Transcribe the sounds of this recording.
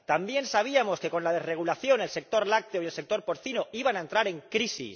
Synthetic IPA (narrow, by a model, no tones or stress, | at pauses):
t̪ambje̞nsaβ̞iamo̞ske̞ko̞nlaðe̞zre̞ɣ̞ulaθjo̞ne̞lse̞k̚t̪o̞ɾlak̚t̪eoje̞lse̞k̚t̪o̞ɾpo̞ɾθinoiβanae̞nt̪ɾaɾe̞ŋkɾisḭs